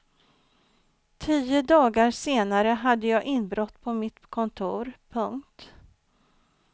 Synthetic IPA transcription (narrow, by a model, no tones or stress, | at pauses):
t̪ʰiːəd̪ɑːɡaɾseːnaɾəɦad̪ːəjɑːɡʔɪnbɾɔt̪ːpʰɔmɪt̪kʰɔnt̪ʰuːɾpʰɵŋkt̪